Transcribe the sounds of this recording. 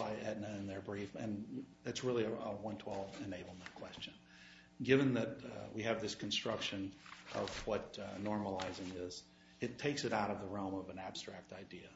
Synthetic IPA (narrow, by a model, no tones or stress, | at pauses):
baɪʔɛdⁿnɨɨ̃nðə˞bɹifɨ̰̃nðætsɹɪlˠiɨəwʌ̃ntʰw̥ɛlˠvɨ̃neɪbl̩ˠmɨ̃nkʰw̥ɛst͡ʃɨ̃n | ɡɪvɨ̃nðɨt̚wiɨvðɪskʰn̩stɹ̥ʌkʃɨ̃nʔʌ̰vwʌt̚nɔɹməlaɪzɪ̃ŋɪz | ɨtʰeɪksɨɾaʊɾʌvðəɹɛ̃lˠmʌvɨ̃næb̥stɹ̥æk̚taɪdiɨ